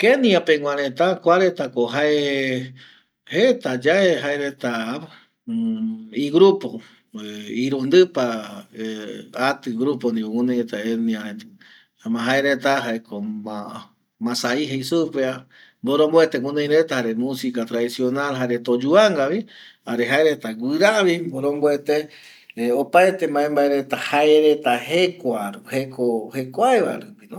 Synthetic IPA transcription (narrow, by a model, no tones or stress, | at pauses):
kenĩãpẽŋw̃ʷãɾẽt̪akʷaɾet̪akoɦae | het̪ad͡ʒaeɦaeɾet̪a | iɡɾupo | iɾund̪ɨpa | at̪ɨɡɾupond̪iwoŋũnẽjɾet̪aenĩaɾe | amãɦaeɾet̪aɦaekoma | mãsaiɦejsupea | mboɾõmboet̪ewũnẽj̃ɾet̪ahaɾe̞mũsikat̪ɾaisio̞nalɦaɾe̞t̪od͡ʒuaŋɡaβiaɾeɦaeɾet̪aɡʷɨɾaβimboɾõmboet̪e | opaet̪e̞mãẽmbaeɾe̞t̪ahaeɾet̪ahekʷaɾuhekʰohekʷaeβa̰ɾupinõ